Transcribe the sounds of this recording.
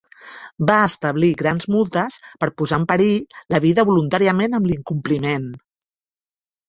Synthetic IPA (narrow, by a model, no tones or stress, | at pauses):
baəst̪əβliɣɾanzmulˠt̪əspəɾpuzampəɾiləβ̞iðəβulunt̪aɾiəmenəmliŋkumplimen